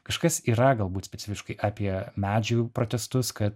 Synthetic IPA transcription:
kɐʃkɐsiːɾɐɡɐlˠbuːt̪sʲpʲɛt̪t͡s̪ʲɪfʲɪʃkɐɪʔɑːpʲiɛmʲæːd͡ʒʲupɾoːt̪ʲɛst̪ʊskɐt̪

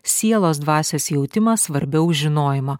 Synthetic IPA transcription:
sʲiɛlˠoːs̬d̪ʋɑːsʲeːsjɛʊt̪ʲɪmɐsʋɐɾʲbʲɛʊʒʲɪnoːjɪmɐ

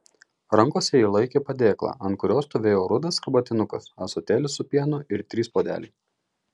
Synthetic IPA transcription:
ɾɐŋˑkoːsʲɛiːlˠɐɪkʲeːpɐd̪ʲeːklˠɑ̰ːʔɐnt̪̚kʊɾʲoːst̪oʋʲeːjoːɾʊd̪ɐsɪbɐt̪ʲɪnʊkɐsɐsot̪ʲeːlʲɪsʊpʲiɛnʊɪɾt̪ʲɾʲiːspoːd̪ʲæ̰ːlʲɛɪ

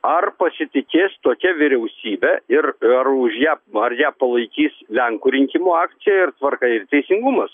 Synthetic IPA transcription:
ɐrpɐsʲɪt̪ʲɪkʲeːst̪oːkʲɛʋʲɪɾʲɛʊsʲiːbʲɛɪrɐrʊʃjæːɐrjæːpɐlˠɐɪkʲiːslʲɛŋkuːɾʲɪŋʲkʲɪmuːɑːk̪sʲɪjɛɪrt̪ʋɐrkɐɪrt̪ʲɛɪsʲɪŋɡʊmɐs

